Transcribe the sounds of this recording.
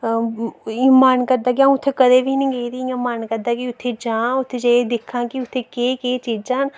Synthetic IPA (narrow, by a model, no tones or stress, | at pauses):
iːmaːnkɐɾd̪akjãːʊt̪ʰekɐd̪ebʱinɐĩɡeit̪ieːmaːnkɐɾd̪akiʊt̪ʰːed͡ʒãːʊt̪ʰed͡ʒɐed̪ɪkʰːãkiʊt̪ʰːekeːkeːt͡ʃiːd͡ʒd͡ʒaːn